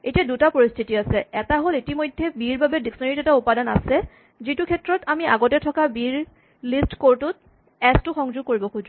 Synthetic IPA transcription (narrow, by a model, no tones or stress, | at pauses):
etiadutapoɹist̪ʰitiasɛɛtaɦolitimojdʱːɛbiɹbabɛdiksɔneɹitɛtaupadana̰sɛ | zitukʰɛtɹɔtamiaɡɔtɛtʰɔkabiɹ | listkoɹtʊt̚ | ɛstʊxɔŋzʊɡ̚koɹibɔxuz